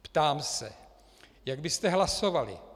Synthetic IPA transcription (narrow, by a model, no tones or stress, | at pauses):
pt̪aːmsɛ̰ | jaɡbɪst̪ɛɦlasovalɪ̰